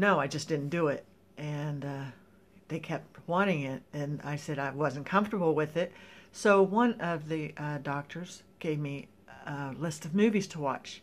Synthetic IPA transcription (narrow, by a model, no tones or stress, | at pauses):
noʊaɪd͡ʒʌsd̥ɪdⁿn̩d̥əɪt̚ | ʔɨ̃n | ðeɪkʰɛp̚t̚wɑ̃ɾ̃ɪ̃ŋɪɾɨ̃na̰ɪsɛɾaɪwʌz̃n̩kʰʌ̃ɱftə˞bl̩ˠwɪðɪt̚soʊwʌ̃nʌvðɨʔdɑk̚tʰə˞z̥ | ɡ̥eɪvmi | lɪstʌvmʉviz̥tʰəwɑ̰t͡ʃ